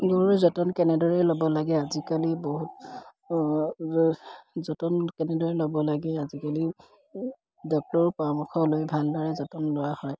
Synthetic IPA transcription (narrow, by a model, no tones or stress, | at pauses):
ɡoɹɹɛzɔtɔnkɛnɛdɔɹɛlobɔlaɡɛazikaliboɦut | zɔtɔnkɛnɛdɔɹɛlobɔlaɡɛazikali | dɔk̚tɔɹpɔɹamʊxɔlojbʱalbaɹɛzɔtɔnlɔɹahɔj